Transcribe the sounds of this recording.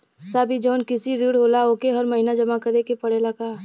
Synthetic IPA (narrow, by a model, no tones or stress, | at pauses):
saːbʱid͡ʒɔːnkɪsiɾiːɽɦoːlaoːkeɦɐɾmɐɦinad͡ʒɐmakɐɾekepɐɽelɐɡaː